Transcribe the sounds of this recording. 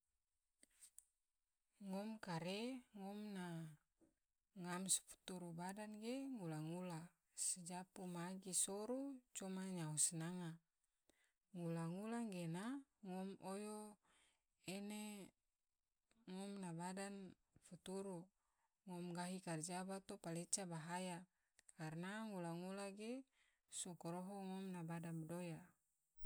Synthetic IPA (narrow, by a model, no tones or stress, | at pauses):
ŋɔmkaɾeŋɔmna | ŋamsfu̥t̪uɾubadanɡeŋulaŋula | sed͡ʒapumaɡisoɾut͡ʃɔmaɲausnaŋa | ŋulaŋulaŋɡenaŋɔmojo | ene | ŋɔmnabadan | fut̪uɾu | ŋɔmɡaɦikard͡ʒabat̪opalet͡ʃabaɦaja | karnaŋulaŋulaɡe | sokɔɾoɦoŋɔmnabadanbdoja